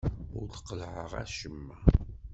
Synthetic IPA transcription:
ʊɾθqːəlʕəʁæ̰ʃəmːæ

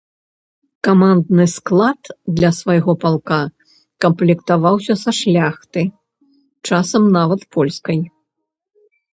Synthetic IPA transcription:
kamand̪̚nɨsklˠat̪d̪lʲɐsvajɣɔpalˠka | kɐmplʲɛkt̪avawsʲɐsɐʂlʲaxt̪ɨ | t͡ʂasɐmnavɐt̪pʰɔlʲskɐj

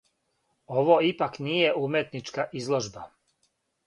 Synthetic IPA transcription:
oʋoipaknijeʔumjet̪nit͡ʃkaʔizlˠoʒba

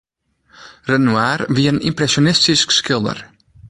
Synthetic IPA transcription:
rənuaːrviəənḭmprɛsjonɪstiskskɪlˠdə̰r

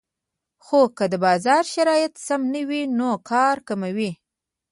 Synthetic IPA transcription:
xokəd̪əbɑzɑɾʃaɾɑjɪt̪samnəwinokʰɑɾkamawi

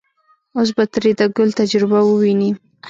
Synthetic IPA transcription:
os̬bat̪ɾid̪aɡʊlt̪ad͡ʒɾɪbawəwini

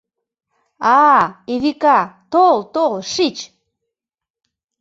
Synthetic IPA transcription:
ɑeβikɑt̪olt̪olʃit͡ɕ

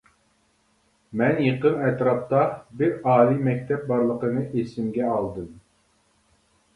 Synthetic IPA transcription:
mɛnjeqənɛt̪ɾɑp̚t̪ɑbɪɾɑːlˠimɛkʲt̪ʰɛp̚bɑɾlˠəqənɨʔesɪmɡʲɛɑlˠd̪ɨm

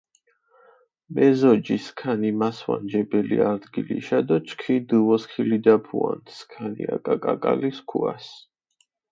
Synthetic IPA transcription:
mɛzɔd͡ʒiskʰanimaswa̰nd͡ʒɛbɛliaɾd̪ɡilḭʃad̪ɔt͡ʃʰkʰid̪uɔskʰilid̪apʰua̰nt̪ʰskʰanḭakʼakʼakʼaliskʰuas

